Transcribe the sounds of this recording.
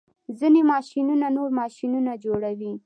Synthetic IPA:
zinemɑʃinunanoɾmɑʃinunad͡ʒoɽawi

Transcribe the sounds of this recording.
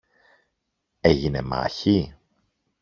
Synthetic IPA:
eʝinḛmɐ̰çi

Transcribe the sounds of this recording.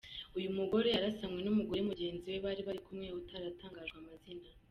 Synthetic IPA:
ujumuɡo̞ɾe̞jaɾasamŋwe̞numuɡo̞ɾemuɟe̞ːnziwe̞βaɾiβaɾikumŋeutaɾataːŋɡaːʒɡwamazina

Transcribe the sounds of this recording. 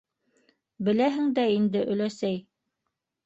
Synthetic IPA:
bɘ̆læɦɘŋd̪æind̪ɘʔɵ̆læsæj

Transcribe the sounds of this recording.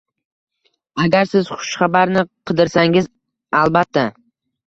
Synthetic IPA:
aɡʲaɾsɪz̥χʊ̥ʃχabaɾnɪqʰɨd̪ɪɾsaŋɪz | alˠbat̪ʰːa

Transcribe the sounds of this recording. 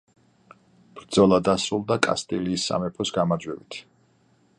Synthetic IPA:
b̥ɾd̪z̥ɔlˠad̪asɾulˠd̪akʼa̰st̪ʼiliːsːa̰mɛpʰɔsɡamad͡ʒwɛvit̪ʰ

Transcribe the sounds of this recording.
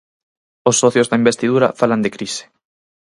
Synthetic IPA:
osːɔθjozðaimbest̪iðuɾɐ̰faland̪ekɾise̥

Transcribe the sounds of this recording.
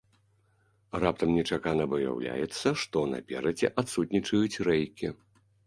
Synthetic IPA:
rap̚t̪ɐmnʲɛt͡ʂakanɐbɐja̰wlʲa̰jɛt̪sːɐʂt̪ɔna̰pʲɛ̰ɾɐd͡zʲɛʔat̪sut̪̚ʲnʲit͡ʂɐjut͡sʲrɛjkʲi

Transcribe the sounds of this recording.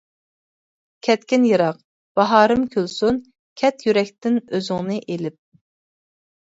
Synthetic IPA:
kʲʰɛt̪kʲinjɨɾɑq | b̥ɑɦɑːɾɨmkʲʰølsun | kʲʰɛt̪jyɾɛkʲt̪ɪnøzɪŋnɨʔelɪp̚

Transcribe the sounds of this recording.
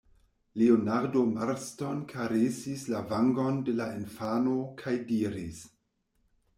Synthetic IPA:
leonaɾdomaɾsto̞nkʰaɾesislavaŋɡo̞nde̞laenfanokʰajdiɾis

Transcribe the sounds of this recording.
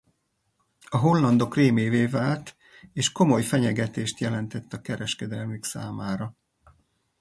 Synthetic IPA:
ɒɦo̞lːɒnd̪o̞kreːmeːveːvaːlt̪ | eːʃko̞mo̞jfɛɲɛɡɛt̪eːʃt̪jɛlɛnt̪ɛt̪ːɒkɛɾɛʃkɛd̪ɛlmyksa̰ːmaːɾɒ

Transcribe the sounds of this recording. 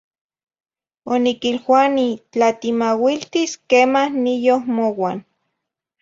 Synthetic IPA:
onikilxwanit͡ɬat̪imawilt̪iskeːmahnijohmowan

